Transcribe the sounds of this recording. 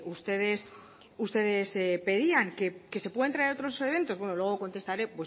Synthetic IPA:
ust̪e̞ðe̞s | ust̪e̞ðe̞sepe̞ðiaŋkeke̞se̞pweent̪ɾaeɾo̞t̪ɾo̞se̞βe̞nt̪o̞zβwe̞nolwe̞ɣ̞o̞ko̞nt̪e̞st̪aɾe̞pwe̞

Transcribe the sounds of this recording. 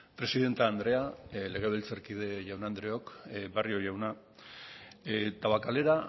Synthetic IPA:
pɾe̞siðe̞nt̪aːnd̪ɾe̞ale̞ɣeβelt͡seɾkið̞e̞ʝawnand̪ɾe̞okbarioʝawna | t̪aβakale̞ɾa

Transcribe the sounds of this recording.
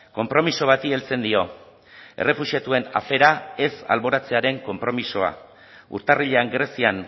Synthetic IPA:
ko̞mpɾo̞miso̞β̞at̪ie̞lt͡se̞nd̪io̞ | e̞̰re̞fuʃiat̪ue̞na̰fe̞ɾae̞sa̰lβo̞ɾat͡se̞aɾe̞ŋko̞mpɾo̞miso̞a̰ | ṵɾt̪ariʎe̞aŋɡɾe̞sian

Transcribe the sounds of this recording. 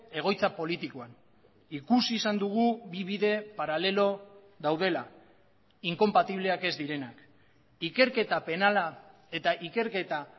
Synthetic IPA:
e̞ɣ̞o̞jt͡sapo̞lit̪ikoan | ikusiːsand̪uɣ̞uβiβiðe̞paɾale̞lo̞ | ðawð̞e̞la | iŋko̞mpat̪iβ̞le̞ake̞zd̪iɾe̞nak | ike̞ɾke̞t̪ape̞nala | e̞t̪aʔike̞ɾke̞t̪a

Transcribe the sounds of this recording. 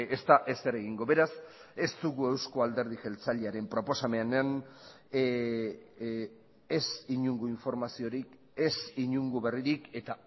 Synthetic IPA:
e̞st̪aʔe̞seɾeɣ̞iŋɡo̞be̞ɾas | e̞st̪uɣue̞wsko̞ald̪e̞ɾð̞ixe̞lt͡saʎeaɾe̞mpɾo̞po̞same̞anan | esiɲuŋɡuiɱfo̞ɾmasio̞ɾik | esiɲuŋɡuβe̞riɾike̞t̪a

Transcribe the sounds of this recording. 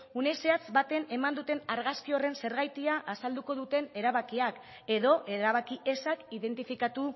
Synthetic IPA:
une̞se̞at͡sbat̪e̞ne̞mand̪ut̪e̞naɾɣaskio̞re̞nse̞ɾɣajt̪iaʔasald̪uko̞ðut̪e̞ne̞ɾaβakiak | e̞ðo̞ʔeɾaβ̞akiʔe̞sakiðe̞nt̪ifikat̪u

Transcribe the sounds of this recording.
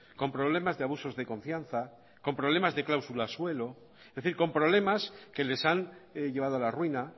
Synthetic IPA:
ko̞mpɾo̞β̞le̞mazðe̞aβuso̞zðe̞kõ̞ɱfjanθa | ko̞mpɾoβle̞mazðe̞klawsulaswe̞lo̞ | ezðeθiɾko̞mpɾo̞β̞le̞maske̞le̞sanʝe̞β̞aðoalarwina

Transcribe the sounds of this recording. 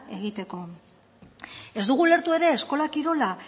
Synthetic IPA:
e̞ɣ̞it̪e̞ko̞ | e̞zd̪uɣule̞ɾt̪ue̞ɾe̞ːsko̞lakiɾo̞la

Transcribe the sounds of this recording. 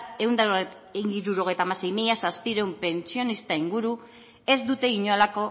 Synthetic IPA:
e̞wnd̪a | iɾuɾo̞ɣ̞e̞jt̪aːmase̞jmiʎasaspiɾeumpe̞nt͡sio̞nist̪aiŋɡuɾu | e̞zd̪ut̪e̞iɲoalako̞

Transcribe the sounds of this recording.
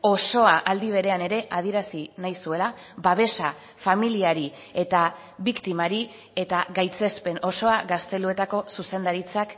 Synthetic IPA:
o̞so̞aʔald̪iβ̞e̞ɾe̞ane̞ɾe̞ʔað̞ieɾasinajsue̞la | baβ̞e̞sa | familiaɾi | e̞t̪a | βikt̪imaɾi | e̞t̪aɣajt͡se̞spe̞no̞so̞aɣɡast̪e̞lue̞t̪ako̞suse̞nd̪aɾit͡sak

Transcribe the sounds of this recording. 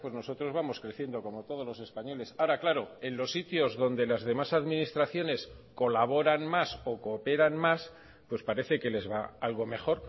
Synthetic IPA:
pwe̞zno̞so̞t̪ɾo̞zβamo̞skɾe̞θje̞nd̪o̞ko̞mo̞t̪o̞ð̞o̞lo̞se̞spaɲo̞le̞saoɾaklaɾo̞e̞nlo̞sːit̪jo̞zðo̞nd̪e̞lazðe̞masaðminist̪ɾaθjo̞ne̞s | ko̞laβ̞o̞ɾanmaso̞kope̞ɾanmas | pwe̞spaɾe̞θe̞ke̞le̞zβaalɣ̞o̞me̞xo̞ɾ

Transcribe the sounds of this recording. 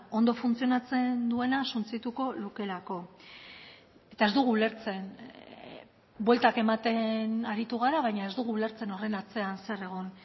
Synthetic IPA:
o̞nd̪o̞funt͡sio̞nat͡se̞nd̪ue̞nasunt͡sit̪uko̞luke̞lako̞ | e̞t̪ae̞zd̪uɣuːle̞ɾt͡se̞n | bwe̞lt̪ake̞mat̪e̞naɾit̪uɣ̞aɾaβ̞ajɲae̞zd̪uɣ̞uːle̞ɾt͡se̞no̞re̞nat͡se̞anse̞re̞ɣ̞o̞n

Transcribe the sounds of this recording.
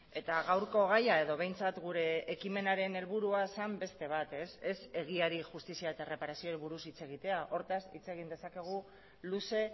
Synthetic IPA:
e̞t̪aɣawɾko̞ɣ̞ajae̞ðo̞βe̞jnt͡sat̪ɡuɾe̞ːkime̞naɾe̞ne̞lβuɾuasambe̞st̪e̞β̞at̪e̞se̞se̞ɣ̞iaɾiʝust̪isiaet̪aere̞paɾasio̞ɾiβuɾusit͡se̞ɣ̞it̪e̞aʔo̞ɾt̪asḭt͡se̞ɣ̞ind̪e̞sake̞ɣ̞u | luse̞

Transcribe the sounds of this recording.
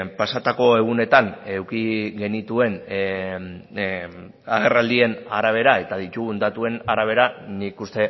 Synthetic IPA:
pasat̪ako̞e̞ɣ̞une̞t̪ane̞wkiɣe̞nit̪ue̞n | aɣ̞e̞rald̪ie̞naɾaβ̞e̞ɾae̞t̪aðit̪uɣund̪at̪ue̞naɾaβ̞e̞ɾanikust̪e̞

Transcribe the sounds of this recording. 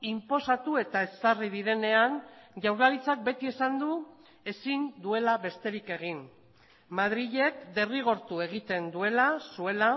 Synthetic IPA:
impo̞sat̪ue̞t̪ae̞sariðiɾe̞ne̞anʝawɾlalit͡sak̚be̞t̪ie̞sand̪u | e̞sind̪ue̞laβe̞st̪e̞ɾike̞ɣin | mað̞ɾiʎe̞kd̪e̞riɣ̞o̞ɾt̪ue̞ɣ̞it̪e̞nd̪ue̞lasue̞la

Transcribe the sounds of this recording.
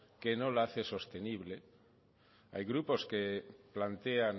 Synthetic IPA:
kenõlaθeso̞st̪e̞niβ̞le | a̰jɣɾupo̞skeplant̪ean

